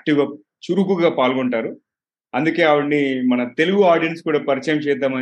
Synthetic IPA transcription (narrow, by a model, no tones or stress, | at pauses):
k̚ʈiwɡaː | t͡ʃuɾuk̬uɡaːpaːlɡoɳʈaːɾu | ɐnd̪uke̞ːɐʋɐɳnimɐnɐt̪e̞luɡuaːɾɖijeɳʈskuːɽaːpɐɾit͡ʃɐjɐmt͡ʃɛːd̪aːmɐ